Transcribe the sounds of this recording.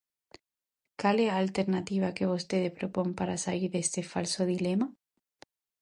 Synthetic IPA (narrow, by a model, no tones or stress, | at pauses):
kaleaːlt̪e̞ɾnat̪iβ̞ake̞βost̪e̞ðehpɾopo̞mpaɾasaliɾðest̪e̞falsoðilema